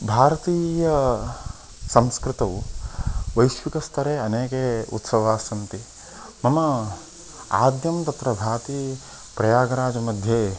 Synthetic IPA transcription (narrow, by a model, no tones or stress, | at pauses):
bʱaːɾɐt̪iːjɐ | sɐmskɾɪt̪ɐʋ | ʋɐjʃʋikɐst̪ʰɐɾeːɐneːkeṵt̪sɐʋaːsɐnt̪i | mɐmɐ | aːd̪jɐmt̪ɐt̪ɾɐbʱaːɾt̪iː | pɾɐjaːɡɐɾaːd͡ʒɐmɐd̪ʱjeː